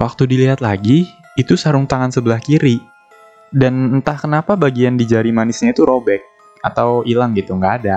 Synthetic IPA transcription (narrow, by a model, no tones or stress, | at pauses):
wak̚t̪udiliɦat̪laɡiː | t̪usaɾuŋt̪aŋansəbəlahkiɾi | danənt̪ahkənapabaɡiandid͡ʒaɾimanɪsɲait̪uɾobɛk̚ | at̪awilaŋɡit̪uŋɡaːda